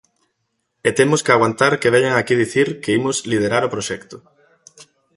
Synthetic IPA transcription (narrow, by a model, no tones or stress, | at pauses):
et̪emʊskeaɣwant̪aɾkeβɛʎaŋakið̞iθiɾkeimʊslið̞eɾaɾʊpɾoʃɛkt̪ʊ